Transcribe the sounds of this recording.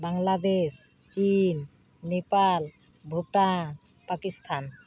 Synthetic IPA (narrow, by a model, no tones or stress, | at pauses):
baŋlad̪es | t͡ɕinː | epal | bʱuʈa | pakist̪ʰan